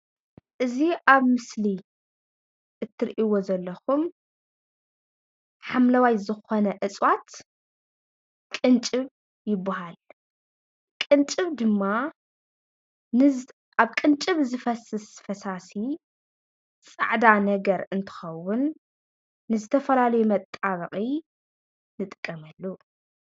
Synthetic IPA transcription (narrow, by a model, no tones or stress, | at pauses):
ʔɨziʔaβmɨsli | ʔɨt̪ʰːɨɾʔiwo̞zɐlːɐxum | ħamlɐwajzɨxonɐʔɨt͡sʼwat̪ | kʼɨnt͡ʃʼɨβ | jɪbːaɦal | kʼɨnt͡ʃʼɨβd̪ɨmːa | nɨ | ʔaβkʼɨnt͡ʃʼɨβzɨfɐsɨsfɐsasi | sʼɨ̰ʕd̪anɐɡɐɾɨnt̪ʰɨ̥xɐwːʊnː | ɨzɨt̪ʰɐfɐlalɐjumɐt̪ʼːaβɐqʼi | nɨt̪ʼɨkʼːɐmɐlːu